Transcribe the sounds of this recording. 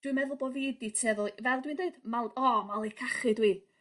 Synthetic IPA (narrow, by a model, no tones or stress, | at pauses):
d̥wɨmɛðʊlˠbɔðiditʰɛðʊlˠvɛlˠdwiɨndeɨd̥malˠɔmalˠikʰaχɨdwiː